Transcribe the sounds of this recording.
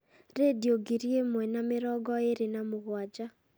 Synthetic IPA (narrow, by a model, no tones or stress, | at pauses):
ɾedioɡiɾjemwɛnameɾɔɡɔeɾenamoɣwad͡ʒa